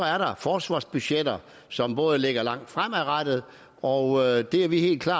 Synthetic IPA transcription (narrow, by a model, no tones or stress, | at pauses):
æɐɾɑ̈fɒːsʋɑ̰̈ːsb̥yɕed̥ɐ | sɒ̽mb̥ɔ̽ːð̞ˠəle̝ɡ̥ɐlɑ̈ŋ̰d̥fʁam̰æʁad̥əð̩ˠ | ɒ̽ʊd̥e̝æɐʋihe̝̰ːldkʰlɑ̈ː